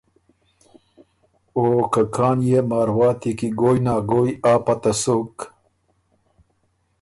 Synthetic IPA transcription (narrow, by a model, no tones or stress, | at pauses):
oːkakʰaːnjemaːɾwaːt̪ikiɡoːjnaːɡoːjaːpɐt̪ɐsok